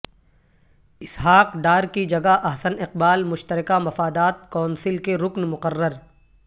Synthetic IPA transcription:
ɪsɦaːqɖaːɾkid͡ʒɐɡaʔɐɦsənɪqbaːlmʊʃt̪əɾɪkamɐfaːd̪aːt̪̚kɔːnsɪlkeɾʊknmʊqərːəɾ

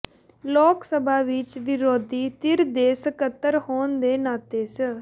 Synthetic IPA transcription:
lɔːksəbʱaːʋɪt͡ʃʋɪɾoːd̪iːt̪ɪɾd̪eːsəkət̪ːəɾhoːnd̪eːnaːt̪eːsə

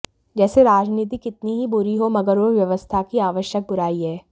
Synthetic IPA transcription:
d͡ʒɛːseɾaːd͡ʒniːt̪̬ikɪt̪niɦibʊɾiɦomɐɡəɾoɾʋjɐʋəst̪ʰakiaːʋəʃjək̚bʊɾaːiɦɛː

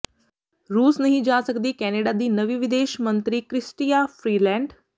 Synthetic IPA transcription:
ɾuːsnɐɦĩd͡ʒaːsɐkd̪iːkɛːneːɖad̪iːnɐʋiʋɪd̪eːʃmɐ̃nt̪ɾikɾɪsʈijafɾiːlɛ̃ːɳɖ

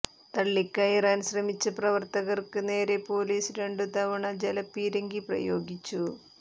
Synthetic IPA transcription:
t̪ɐɭːikːaːjiraːnɕrɐmit͡ɕːɨprɐʋɐrt̪ɐɣɐrkɨne̞ːɾe̞po̞ːliːsɾe̞ɳɖɨt̪ɐʋɐɳɐd͡ʑelɐpːiːɾɐŋɡiprɐ̰jo̞ːɡit͡ɕːu

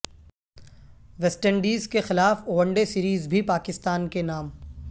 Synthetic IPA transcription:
ʋɛsʈəɳɖiːzkexɪlaːfoːʋə̃ɳɖesiːɾiːzbʱipaːkɪst̪aːnkenaːm

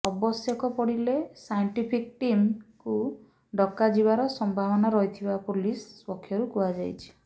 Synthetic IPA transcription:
ɔbɔsjɔkɔpɔɽilesajɳʈipʰik̚ʈimku | ɖɔkːad͡ʒibaɾɔsɔmbʱabɔnaɾɔɦit̪ʰibapulispɔkʰːjɔɾukuad͡ʒajt͡ʃʰi̥

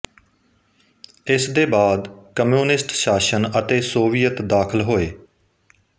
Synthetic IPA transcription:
ɪsd̪eːbaːd̪kəmjuːnɪsʈʃaːʃənət̪eːsoːʋijət̪d̪aːkʰəlɦoːeː

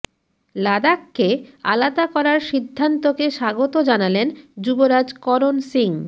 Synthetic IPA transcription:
lad̪akːea̰lad̪akɔɾaɾʃid̪ʱːant̪okeʃaɡot̪od͡ʑanalend͡ʑuboɾad͡ʑkɔɾonsiŋ

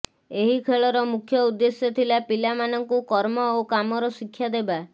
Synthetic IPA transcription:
eɦikʰeɭɔɾɔmukʰjɔud̪ːesjɔt̪ʰilapilamanɔŋkukɔɾmɔokamɔɾɔsikʰːjad̪eba

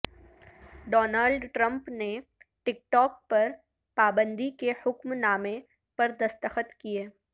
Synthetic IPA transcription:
ɖɔːnaːlɖʈɾə̃mpneʈɪk̚ʈɔːk̚pɐɾ | paːbə̃nd̪ikehʊkmnaːmẽ | pɐɾd̪ɐst̪əxət̪kieː

